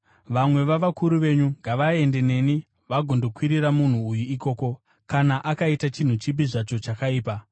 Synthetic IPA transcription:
ʋamwe̞ʋaʋakuɾuʋe̞ɲuŋɡaʋae̞ndene̞ni | ʋaɡʱondo̞kwiɾiɾamun̤uːjuiko̞ːko̞ | kanaʔakaitat͡ʃin̤ut͡ʃip̬iʐat͡ʃo̞t͡ʃakaiːpa

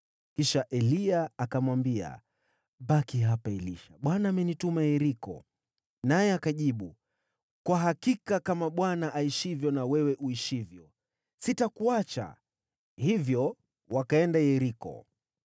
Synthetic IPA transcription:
kiʃaʔɛliaːkamwambia̰ | ɓakiɦapaɛlḭʃaɓwanaːmɛnitumajɛɾikɔ̰ | najɛakaʄiɓu | kwaɦakikakamaɓwanaʔaiʃivjɔnawɛwɛʔuiʃivjɔ | sitakuat͡ʃa̰ | hivjɔ | wakaɛndajɛɾikɔ̰

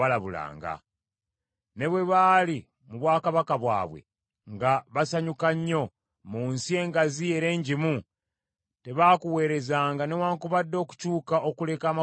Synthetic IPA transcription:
alaβula̰ːŋɡa̰ | ne̞βwe̞βali | muβwaːkaβakaβwa̰ːβwe̞̰ | ŋɡaβasaɲukaɲːo̞ | muːnsie̞ːŋɡazie̞ɾe̞ːɲɟimu | te̞βaːkuwe̞ːɾe̞zaːŋɡane̞waːŋkuβadːo̞ːku̥cuːkaʔo̞kule̞kaːma

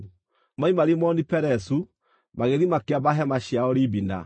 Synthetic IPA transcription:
maimaɾimɔnipɛɾɛsu | maɣeðimakeaβaɦɛmaɕiaɔɾibina̰

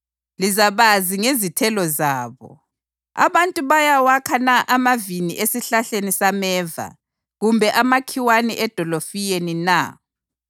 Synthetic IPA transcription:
lizaβaziŋezitʰɛlɔzaːβɔ̰ | a̰βantʼuβajawakʰanaʔamaviniʔesiɬaɬenisamɛːva̰ | ɣumbʱɛʔamakʰiwaniʔɛd̥ʱɔlofijenina̰

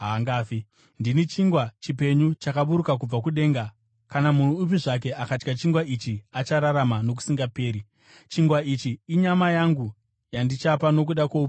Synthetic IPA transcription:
ɦaŋɡaːfi | ndinit͡ʃiŋɡwat͡ʃipe̞ɲut͡ʃakaɓuɾukak̬ub͡vakuɗe̞ŋɡa | kanamun̤up̬iʐak̬e̞akat͡ʃkat͡ʃiŋɡwaʔit͡ʃiat͡ʃaɾaɾamano̞k̬u̥siŋɡape̞ːɾi | t͡ʃiŋɡwait͡ʃiːɲamajaŋɡu | jandit͡ʃapano̞k̬uɗakoupi

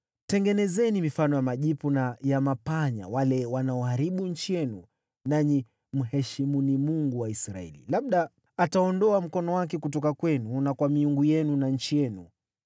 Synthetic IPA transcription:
tɛŋɡɛnɛzɛnimifanɔjamaʄipɔnajamapaɲa̰walɛwanaɔhaɾiɓuɲ̩t͡ʃijɛnu | naɲi | m̩ɦɛʃimunimuŋɡuwaisɾaɛ̰lḭlaɓ̚ɗaː | taɔndɔam̩kɔnɔwakɛkut̬ɔkakwɛnunakwamiuŋɡujɛnunaɲ̩t͡ʃijɛnṵ

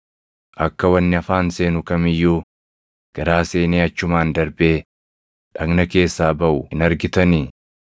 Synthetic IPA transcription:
ʔɐkːɐwɐnːɪɐfaːnse̞ːnʊkɐmɪjːuː | ɡ̥ɐɾaːse̞ːneːɐt͡ʃːʊmaːnd̪ɐɾbeː | ᶑɐɡnɐke̞ːsːaːbɐʔʊɪnɐɾɡɪt̪ɐniː

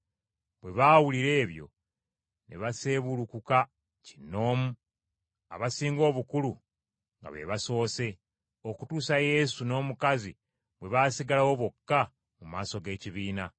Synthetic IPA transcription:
βwe̞βaːwuliɾe̞ːβjo̞̰ | nḛβase̞βulukuka | ci̥no̞ːmu | a̰βasiːŋɡo̞ːβukulu | ŋɡa̰βe̞̰βaso̞ːse̞ | o̞kutuːsaje̞suno̞ːmukazi | βwe̞βaːsiɡalawoβokːa | mumaːso̞ɡe̞ːciβiːna

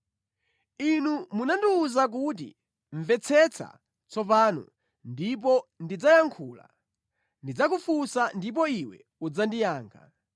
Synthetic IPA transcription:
inumunandiuzak̬ut̬ḭ | ɱvɛt͡sʰɛt͡sʰa̰ | t͡sɔpanɔ̰ | ndip̬ɔndid͡zajaŋkʰuːla̰ | ndid͡zak̬ufusandip̬ɔiwɛ̰ | ud͡zandijaːŋkʰa

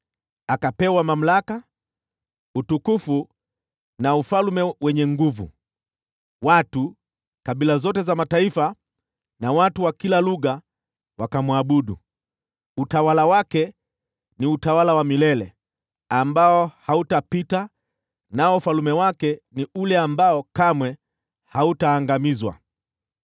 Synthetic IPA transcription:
akapɛwamam̩laka | utukufu | naufalmɛwɛɲɛŋɡuvṵ | watu | kaɓilazɔtɛzamataifa | nawatuwakilaluɣa | wakamwaɓuɗṵ | utawalawakɛ | niutawalawamilɛlɛ | ambaɔhautapita | naɔufalumɛwakɛniulɛambaɔkamwɛ | hautaːŋɡamizwa̰

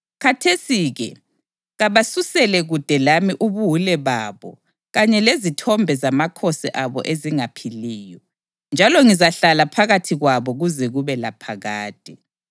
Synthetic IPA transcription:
kʰatʰesiːɣɛ | ɣaβasusɛlɛɣud̥ʱɛlamiʔuβuulɛβaːβɔ̰ | ɣaɲɛlezitʰɔmbʱɛzamakʰɔsɛ̰ʔaβɔ̰ʔeziŋapʰiliːjɔ | nd͡ʒʱalɔŋizaɬalapʰaɣatʰiɣwaβɔɣuzɛɣuβɛlapʰaɣaːd̥ʱʼi

